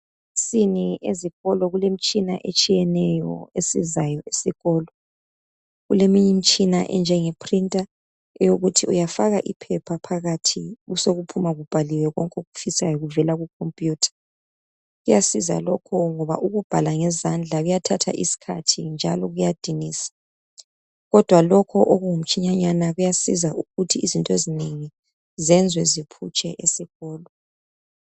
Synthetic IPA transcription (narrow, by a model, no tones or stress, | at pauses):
siniʔeziɣɔlɔɣulem̩t͡ʃʼinaʔet͡ʃʼijɛnɛjɔ̰esizajɔʔesiɣɔːlɔ | ɣulemiɲim̩t͡ʃʼinaʔɛ̰nd͡ʒʱɛŋepʰrintʼa | ɛjoɣutʰiujafaɣaʔipʰɛpʰapʰaɣatʰiɣusoɣupʰumaɣub̥ʱaliwɛɣɔŋkʼoɣufisajɔɣuvɛlaɣukʰompʼjuːtʰḁ | ɣujasiza̰lɔkʰɔŋɔβa̰ʔuɣub̥ʱalaŋɛzand͡ɮʱaɣujatʰatʰa̰ʔisi̥kʰa̰tʰind͡ʒʱa̰lɔɣujad̥ʱiniːsḁ | ɣɔd̥ʱwalɔkʰɔʔoɣuŋum̩t͡ʃʰʼiɲaɲanaɣujasizaʔuɣutʰiːzintʼɔezineŋi | zɛnd͡zʱwɛzipʰut͡ʃʼɛʔesixɔːlɔ